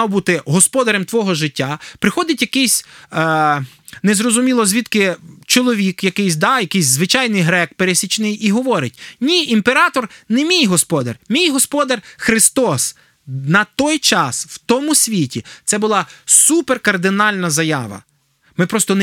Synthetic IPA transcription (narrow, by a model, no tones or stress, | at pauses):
wbut̪ɪɦɔspɔd̪ɐɾemt̪ʋɔɦɔʒɪtʲːapɾɪxɔd̪ɪtʲjɐkɪsʲ | nɛzɾɔzʊmʲilˠɔzʲʋʲit̪kɪt͡ʃɔlˠɔʋʲikjɐkɪjsʲd̪ɑjɐkɪjsʲzʋɪt͡ʃɑjnɪjɦɾɛkpeɾesʲit͡ʃnɪjiɦɔʋɔɾɪt̚ʲnʲiʔimpeɾɑt̪ɔrnɛmʲijɦɔspɔd̪ɐ̰rmʲijɦɔspɔd̪ɐrxɾɪst̪ɔs | nɐt̪ɔjt͡ʃɑswt̪ɔmʊsʲʋʲitʲit̪sɛbʊlˠɑsuperkɐrd̪ɪnɑlʲnɐzɐjɑ̰ʋɐ̰ | mɪpɾɔst̪ɔn